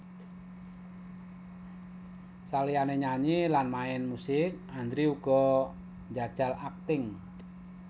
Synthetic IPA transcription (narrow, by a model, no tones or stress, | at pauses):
salijaneɲaɲilanmaɛnmusɪk̚and̪ɾiuɡ̥ɔ̤ | ɲd͡ʒa̤d̥ʒ̥a̤lak̚t̪ɪŋ